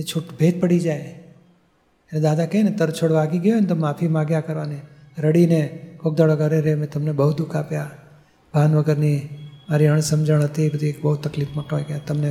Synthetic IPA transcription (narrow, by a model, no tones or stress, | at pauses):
et͡ʃʰuʈbʱet̪̚pəɽid͡ʒaj | ened̪ad̪akenet̪əɾt͡ʃʰoɽʋaɡiɡjoenet̪omafʰimãɡjakəɾʋane | ɾəɽinekok̚d̪aɭəkəɾeɾemẽt̪əmnebəɦud̪ukapja | bʱanʋəɡəɾnimaɾiəɳ̃səmd͡ʒəɳ̃ɦət̪iebəd̪ʱiekbəɦut̪ːəklifməʈoɡjat̪əmne